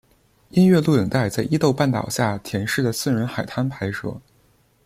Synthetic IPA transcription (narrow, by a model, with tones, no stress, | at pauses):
i˥nɥɛ˥˧lu˥˩i˨˩ŋt̪a˥˧ɪt͡sa˥˩ɪʔi˥t̪o˥˧ʊpa˥˩nt̪ɑ̰˨˩ʊɕja˥˩t̪ʰjɛ˧˥nʂɻ̩˥˩d̪ə˩sɹ̩˥˩ɻə˧˥nxa˨˩ɪt̪ʰa˥npʰa˧˥ɪʂɤ̰˧˥˦